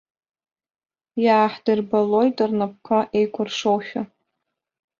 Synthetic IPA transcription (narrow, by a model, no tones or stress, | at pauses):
jaːħdɨrbalo̞jtʼɨrnap̚kʷʰaʔejkʷʰʼʊrʂowʃʲᶣa